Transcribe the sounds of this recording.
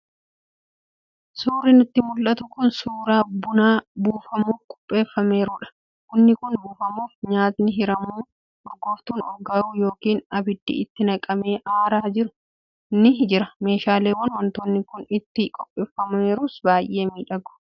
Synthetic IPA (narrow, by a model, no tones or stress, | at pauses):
suːɾɪnʊt̪ːɪmʊlʔɐt̪ʊkʊnsuːɾaːbʊnaːbuːfɐmuːfkʼɔ̥pʼːe̞ːfːɐme̞ːɾuːᶑɐ̥ | kʊnːɪkʊnbuːfɐmuːfɲaːt̪nɪɦɪɾɐmuː | ʊɾɡoːft̪uːnɔɡɐɾuːjo̞ːkiːnɐbɪd̪ːḭɪt̪ːɪnɐkʼɐme̞ːʔaːɾaːd͡ʒɪɾʊ̥ | nɪd͡ʒɪɾɐme̞ːʃaːleːwɐnwɔnt̪oːnːɪkʊnɪt̪ːɪkʼɔpʼːe̞ːfːɐmɐe̞ːɾuːsbaːjʔe̞ːmiːᶑɐɡʊ̥